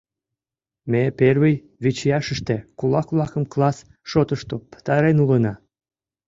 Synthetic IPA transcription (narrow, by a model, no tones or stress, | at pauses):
meperβəj | βit͡ɕjɑʃəʃt̪ekulɑkβlˠɑkə̆mklɑs | ʃot̪əʃt̪opə̥t̪ɑɾenulənɑ